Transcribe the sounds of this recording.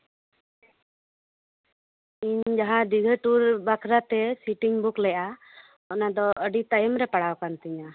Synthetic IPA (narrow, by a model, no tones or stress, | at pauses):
iɲd͡ʒaɦãd̪iɡʱəʈuɾbakʰɾat̪ɛsiʈiŋbuklɛjʔa | ɔʔnad̪ɔʔəɖit̪ajəmɾɛpaɽawkant̪iɲa